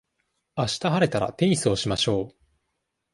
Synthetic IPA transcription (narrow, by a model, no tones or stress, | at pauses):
aɕi̥t̪aɦaɾe̞t̪aɾa̰t̪ẽ̞ɰĩsɨoɕimaɕo̞ː